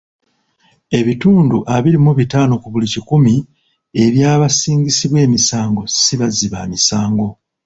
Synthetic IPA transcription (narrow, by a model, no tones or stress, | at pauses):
e̞βituːnduʔaβiɾimuβitaːno̞kuβulicikumi | e̞βjaːβasiːɲɟisiβwe̞ːmisaːŋɡo̞siβaziβamisaːŋɡo̞